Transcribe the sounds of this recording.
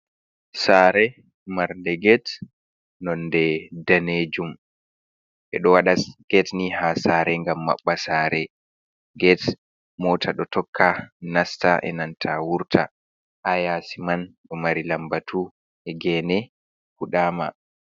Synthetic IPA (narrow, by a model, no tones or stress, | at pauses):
saːɾɛ | maɾndɛɡɛt | nɔndɛdaned͡ʒum | ʔɛ̰ɗɔwaɗaɡ̥ɛtnihasaɾɛŋɡamːa̰ɓːasaːɾɛ | ɡɛt | mɔtʰaɗɔtɔkʰːanastaʔɛ̰nantʰawuɾtʰa̰ | ʔajasimanɗɔmaɾilambatʰu | ʔɛɡɛːnɛ | huɗaːma̰